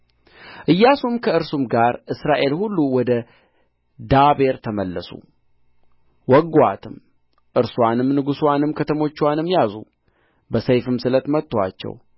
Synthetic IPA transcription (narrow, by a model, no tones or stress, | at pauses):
ʔɨjːasumkʰəɨɾsumɡaɾʔɨsɾaʔe̞lhulːuwɔd̪ə | d̪abe̞ɾt̪ʰəməlːəsṵ | wɔɡat̪ʰɨm | ʔɨɾswanɨmnɨɡuswanɨmkʰət̪ʰəmo̞t͡ʃːwanɨmjazṵ | bəsəjfɨmsɨlət̪mət̪ːowat͡ʃːɛ̰w